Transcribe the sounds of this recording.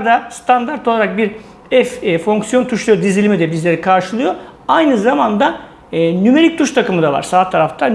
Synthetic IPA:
d̪ast̪ʰand̪aɾt̪ʰo̞lˠaɾak̚biɾ | ɛffo̞ŋksijo̞nt̪ʰuʃlˠujod̪izilʲimid̪ɛbizlʲe̞ɾikʰaɾʃɯlˠɯjoajnɯzamand̪a | nyme̞ɾic̚t̪ʰuʃt̪ʰakɯmɯd̪ava̰ɾ̥saːt̪ʰaɾaft̪ʰan

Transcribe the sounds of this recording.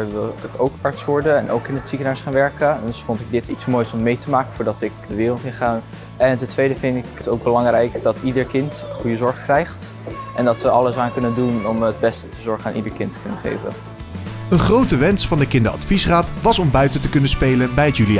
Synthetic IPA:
ɹʋɪlˠɪkowkɑɹtsʋɔɹdəɛnʔo̰wkɪnətsikənaɹsχaːnʋɛɹkədəsfɔntɪɡ̚dɪtitsmoːjsɔmːejtəmaːkəvʊːɹdɑtɪkd̥əʋɪːrlˠtɪnχa | ɛntɛntʋejdəvɪndɪkətowɡ̚bəlɑŋrɛjkd̥ɑtidəɹkɪntχujəzɔɹχəkrɛjχt | ʔɛndɑtʋəʔɑləsaːnkɵnəndunɔməd̚bɛstə̥təzɔɹχənaːnʔidəɹkɪntə̥kɵnənχḛjvə̰n | ənχrowtəʋɛnsfɑndəkɪndəɑ̰tfisraːtʋɑsɔmbœɥtəntəkɵnənspejlənbɛjətjyli

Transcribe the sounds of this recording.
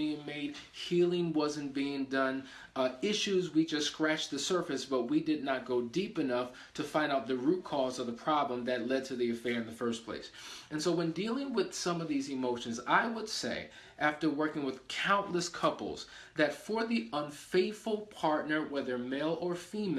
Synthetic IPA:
iɪ̃ŋmeɪd̥̚ | hilˠɪ̃ŋwʌzɨ̃n̩b̥iɪ̃ŋdʌ̃n | ɪʃʉzwid͡ʒʌskɹæt͡ʃðɨsɜ˞fɨsb̥ʌt̚widɨdⁿnət̚ɡ̥oʊdipɨnʌf | tʰɨfãɪ̃ndaʊt̪̚ðɨɹʉt̚kʰɔzʌvðəpʰɹ̥ɑblə̃mðɨtˡlɛd̚tʰɨðiɨfɛɹɨ̃nðɨfɜ˞spʰl̥ḛɪsɨ̃nsoʊwɨ̃ndilˠɪ̃ŋwɪð̥sʌ̃mʌvðizɨmoʊʃɨ̃nzaɪwəd̥seɪ | ʔæftə˞wɜ˞kɪ̃ŋwəð̥kʰãʊ̃nʔləskʰʌpl̩ˠz̥ | ðɨtfə˞ðiə̃nfeɪtfl̩ˠpʰɑɹtⁿnə˞wɛðə˞meɪlˠə˞fim

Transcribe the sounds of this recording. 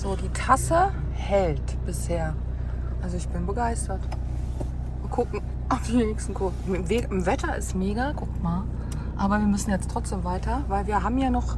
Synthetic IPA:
z̥oːdiːtʰasə | hɛltb̥ɪsheːɐ | ʔalzoɪçb̥ɪnbəɡaɪstɐt | vkʰʊkŋ̩ | ʔaʊfd̥inɛçstn̩kʰoːmmveːʔɪmvɛtɐʔɪ̰stmeːɡakʰʊkmaːl | ʔaːbɐviːɐmʏsn̩jɛt͡stʰʁ̥ɔt͡sd̥eːmvaɪtɐvaɪlviːɐɦaːbm̩jaːnɔχ

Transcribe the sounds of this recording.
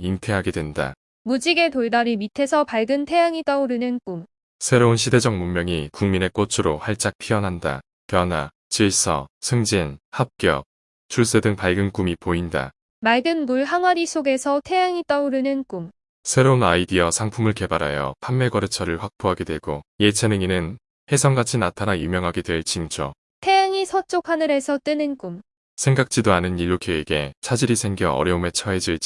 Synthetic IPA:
iŋtʰe̞ɦaɡedwe̞nda̰ | mud͡ʑiɡe̞toɭdaɾimitʰe̞sʰʌpaɭɡɯntʰe̞jaŋit͈ʌuɾɯnɯnk͈um | sʰe̞ɾounɕʰide̞d͡ʑʌŋmummjʌŋikuŋmine̞k͈ot͡ɕʰɯɾohaɭt͡ɕ͈ak̚pʰiʌnɦanda̰ | pjʌna | t͡ɕiɭsʰʌ̰sʰɯŋd͡ʑinhap̚k͈iʌ̰p̚ | t͡ɕʰuɭs͈e̞dɯŋpaɭɡɯnk͈umipoinda̰ | maɭɡɯnmuɭɦaŋwaɾisʰoɡe̞sʰʌtʰe̞jaŋit͈ʌuɾɯnɯnk͈um | sʰe̞ɾounaidiʌsʰaŋpʰumɯɭke̞baɾɦa̰jʌ̰pʰamːe̞ɡʌɾɯt͡ɕʰʌɾɯɭɸwak̚p͈oɦaɡidwe̞ɡoje̞t͡ɕʰenɯŋinɯn | he̞sʰʌŋɡat͡ɕʰinatʰanajumjʌŋɦaɡidwe̞ɭt͡ɕint͡ɕ͈ʰʌ̰ | tʰejaŋisʰʌt͡ɕ͈okʰanɯɾe̞sʰʌt͈ɯnɯnk͈um | sʰe̞ŋɡak̚t͡ɕ͈idoanɯniʎːokʰeeɡe̞t͡ɕʰad͡ʑiɾisʰe̞ŋɡjʌʌ̰ɾjʌume̞t͡ɕʰʌɦe̞d͡ʑiɭ

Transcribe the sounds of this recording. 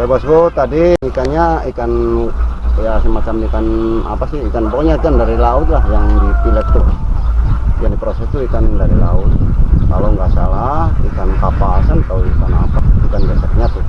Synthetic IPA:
babasɡɔt̪adinikanɲaikan | jasəmat͡ʃamikana̰pasiikanbokɔɲaikandaɾilaʊt̪̚lahjaŋpilɛk̚t̪u | jaŋdipɾosɛst̪uikandaɾila̰ʊt̪̚kalowŋɡaʔsalahikankapasanat̪auikanapahikanɡasək̚ɲat̪u

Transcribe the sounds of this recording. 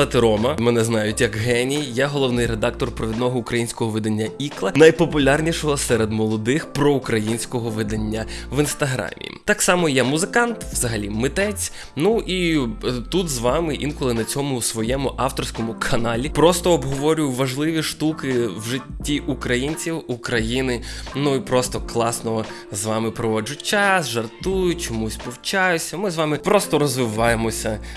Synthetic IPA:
ɐt̪ɪɾɔmɐmɛnɛznɑjʊtʲjɐkɦɛnʲijaɦɔlˠɔʋnɪjred̪ɑk̚t̪ɔrpɾɔʋʲid̪nɔɦɔʊkɾɐjinʲsʲkɔɦɔʋɪd̪ɐnʲːɐiklˠɐnɐjpɔpʊlʲarnʲiʃɔɦɔsɛɾed̪mɔlˠɔd̪ɪxpɾɔukɾɐjinʲsʲkɔɦɔʋɪd̪ɐnʲːɐʋɪnst̪ɐɦɾɑ̰mʲḭːt̪ɑksɑmɔjɛmʊzɪkɑnt̪ʋzɐɦɐlʲimɪt̪ɛt͡sʲ | nuʔit̪ut̪zʋɑmɪʔinkɔlˠɪnɐt͡sʲɔmʊsʋɔjɛmʊʔɑwt̪ɔrsʲkɔmʊkʰɐnɑlʲipɾɔst̪ɔːbɦɔʋɔɾʲʊjʊʋɐʒlˠɪʋʲiʃt̪ukɪwʒɪtʲːiʔukɾɐjinʲt͡sʲiwukɾɐjinɪnuipɾɔst̪ɔklˠɑsnɔzʋɑmɪpɾɔʋɔd͡ʒʊtʲt͡ʃɑsʒɐrt̪ujʊt͡ʃɔmusʲpɔwt͡ʃɑjʊsʲɐmɪzʋɑmɪpɾɔst̪ɔɾɔzʋɪʋɑjemɔsʲɐ

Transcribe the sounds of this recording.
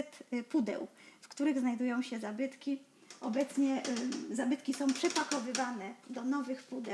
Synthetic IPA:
t̪pud̪ɛ̰wfkt̪uɾɘɣznajd̪ujɔ̃w̃ɕɛzabɘt̪kʲi | ʔɔbɛt̪sɲɛzabɘt̪kʲisɔ̃w̃pʂɛpakɔvɘvanɛd̪ɔnɔvɘxpud̪ɛ

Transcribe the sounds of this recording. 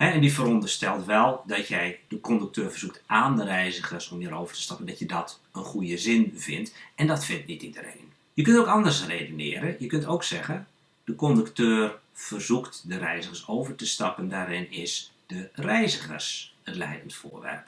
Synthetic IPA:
hɛɛndifəɾɔndərstɛlˠtʋɛlˠdɔtjɛjd̥əkʰɔndyk̚tʰøːrvərz̥uk̚tʔaːndərɛjzəɣərsɔmiːɾoːvərtə̥stɑpəndɔtjədɔt | ənχujəzɪnvɪ̰ntɛndɔtfɪntnitidərḛːn | jəkøntoːkɔndərsreːdønɪ̰ːɾəjəkøntowksɛɣən | d̥əkɔndəktøːr | fərzuktdəɾɛjzəxərsoːvərtəstɑpəndaːɾɪnɪsd̥ərɛjzəxə̰rsətlɛ̰jdəntfo̰ːʋɛ̰rp

